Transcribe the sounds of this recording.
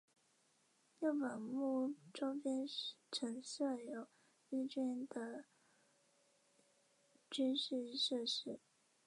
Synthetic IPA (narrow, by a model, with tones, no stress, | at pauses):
ju˥˩pə˨˩nmu˥˩ʈ͡ʂo˥ʊpjɛ˥nʈ͡ʂʰə˧˥ŋsə˥˩jo˨˩˦ʊ | i˥˧t͡ɕɛ˥˩nd̪ə˨ | t͡ɕy˥nʂɻ̩˥˧ʂɤ˥˩ʂɻ̩˥